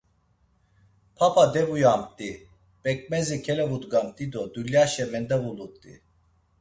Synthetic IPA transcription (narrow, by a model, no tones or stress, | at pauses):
pʰapʰad̪ɛvujamt̪ʼi | b̥ɛk̚ʼmɛzikʰɛlɛvud̪ɡamt̪ʼid̪ɔd̪uljaʃɛmɛnd̪avulut̪ʼːḭ